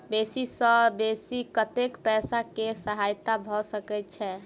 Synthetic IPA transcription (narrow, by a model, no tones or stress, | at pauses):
besisə̃besikət̪ekpɛsakesəɦajt̪abʱɔsəkɛt̪̚t͡ʃʰɛ